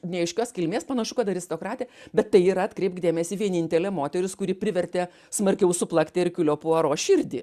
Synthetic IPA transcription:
nʲɛɐɪʃʲkʲoːskʲɪlʲmʲeːspɐnɐʃʊkɐt̪ɐɾʲɪst̪oːkɾɑːt̪ʲeɛbʲɛt̪ːɐɪiːɾɐɐt̪ʲkɾʲɛɪpkd̪ʲeːmʲɛsʲɪːʋʲiɛnʲɪnʲt̪ʲɛlʲɛːmoːt̪ʲɛɾʲʊskʊɾʲɪːpʲɾʲɪʋʲɛɾʲt̪ʲeː | smɐɾʲkʲɛʊsʊplˠɐkʲt̪ʲeːɪrkʲʊlʲoːpuɐɾoːʃʲɪɾʲd̪ʲiː

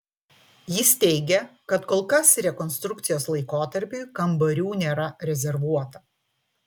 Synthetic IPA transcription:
jɪst̪ʲɛɪɡʲɛkɐt̪koːlˠkɐsɾʲɛkɔnst̪ɾʊkt̪sʲɪjoːslˠɐɪkoːt̪ɐɾʲpʲʊɪkɐmbɐɾʲuːnʲeːɾɐɾʲɛzʲɛɾʋuɔt̪ɐ

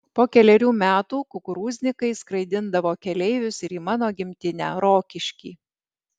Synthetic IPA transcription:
poːkʲɛlʲɛɾʲuːmʲæːt̪uːkʊkʊɾuːzʲnʲɪkɐɪskɾɐɪd̪ʲɪnd̪ɐʋoːkʲɛlʲɛɪʋʲʊsɪɾiːmɑːnoːɡʲɪmʲt̪ʲɪnʲæ̰ːɾoːkʲɪʃʲkʲiː

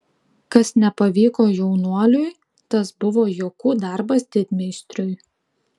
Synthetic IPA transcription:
kɐsnʲɛpɐʋʲiːkoːjɛʊnuɔlʲʊj | t̪ɐsbʊʋoːjoːkuːd̪ɑˑɾbɐst̪ʲɪt̪ʲmʲɛɪsʲt̪ʲɾʲʊj

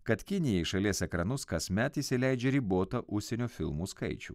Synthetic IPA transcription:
kɐt̪kʲɪnʲɪjɛɪʃɐlʲiɛsɛkɾɐnʊskɐsʲmʲɛt̪ɪsʲɪlʲɛɪd͡ʒʲɛɾʲiboːt̪ɐʔʊʃʲsʲɛnʲoːfʲɪlˠmuːskɐ̰ɪt͡ʃʲṵː

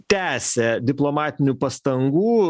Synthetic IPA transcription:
t̪ʲæːsʲɛd̪ʲɪplˠoːmɑːt̪ʲɪnʲupɐst̪ɐŋɡuː

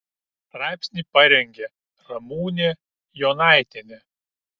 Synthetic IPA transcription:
ɾɑˑɪpʲsʲnʲipɐɾʲɛŋʲɡʲɛ | ɾɐmuːnʲe | jɔnɑˑɪt̪ʲenʲe

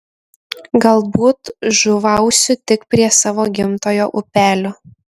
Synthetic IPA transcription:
ɡɐlˠbuːt̪ʒʊʋɐˑʊsʲʊt̪ʲɪkpʲɾʲiɛsɑːʋoːɡʲɪmt̪oːjoːʔʊpʲæːlʲoː

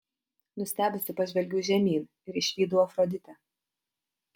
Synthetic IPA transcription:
nʊsʲt̪ʲæːbʲɪsʲɪpɐʒʲʋʲɛlʲɡʲuːʒʲɛmʲiːn | ɪɾɪʃʲʋʲiːd̪ʊofɾɔd̪ʲɪt̪ʲɛ

